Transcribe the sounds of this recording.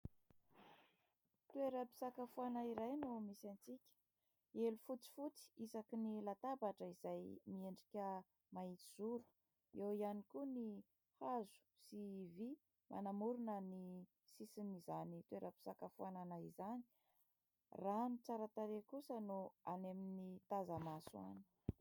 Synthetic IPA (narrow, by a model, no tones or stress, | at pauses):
t̪ueɾəpi̥sakafuanaiɾajnumisant͡sikʲə̥ | elufut͡si̥fut͡si̥izakinilat̪abaʈ͡ʂəizajmieɳɖ͡ʐikʲə | mait͡s̪iz̥uɾu̥ | ewianikuni | hazu̥sivi | mʔa̰namuɾunəni | sisinizanit̪weɾʔapi̥sakafuananaizani̥ | ranut͡saɾət̪aɾekusənuaneminit̪azamasua̰ni̥